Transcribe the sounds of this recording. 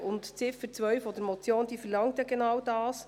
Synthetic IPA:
ʊntt͡sɪfət͡sʋœɥflɔd̪əɾmɔt͡sjoːnd̥̪iːfəlɑŋt̪jɑɡenɑwdɑːs

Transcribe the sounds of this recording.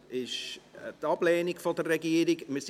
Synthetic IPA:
ɪʃtɑpleːnɪkfɔdəreɡiəɾikməs

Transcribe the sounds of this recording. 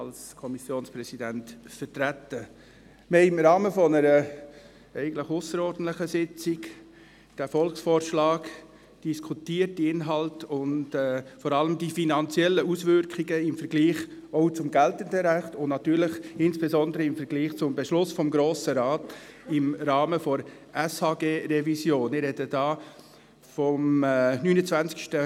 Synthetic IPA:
ɑlskʰɔmisjoːnsprɛsidæntfətɾætə | meɪmɾɑːməfɔnəɾə | ɛɪɡən̩tləχʊsəɾɔɾdn̩tləχəsɪt͡sɪk | d̥æːfɔlksfɔːɾʃlɑːk | d̥iskʰutiːətdiɪnɦɑltʊndɛːfɔɾɑləmdifinɑnt͡sjɛlːəusʋʏɾkχiɡəɪmfəɾɡliːχ | oʊt͡sʊmɡɛltəndəɾæχtʊnnɑt̪yːɾlɪχɪnsb̥ezɔndəɾəɪmfəɾɡ̥liːχt͡sʊmbɛʃlʊsfɔmɡɾoːsəɾɑːtɪmɾɑːməfɔɾ | ʔɛshɑːɡeːɾɛvisjoːnɪɾɛdəd̥ɑː | fɔmnyːnət͡svænt͡skʃtə

